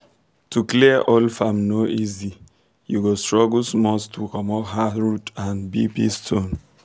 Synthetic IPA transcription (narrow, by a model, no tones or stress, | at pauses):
tʰukliəʔɔlfamnoʔizi | juɡostɹɔɡlsmɔstʰukɔmɔhaɹutãnbibḭstʰõn